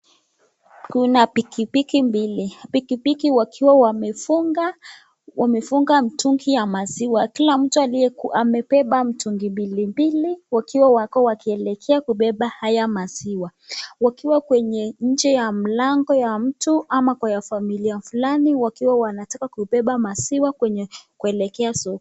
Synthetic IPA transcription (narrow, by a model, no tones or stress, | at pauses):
kunapikipikimbilipikipikiwakʰiwawaɡa | wamɛfuŋɡam̩tuŋɡijamaziwakilam̩tualiɛamɛpɛɓam̩tuŋɡimbilimbiliwakiwawakɔwakiɛlɛkʰɛakuɓɛɓahajamaziwawakiwakwɛɲɛɲ̩d͡ʒɛjam̩laŋɡɔjam̩tuamakwajafamiliafulaniwakiwawanatakakuɓɛɓamasiwakwɛɲɛkuɛlɛkɛasɔk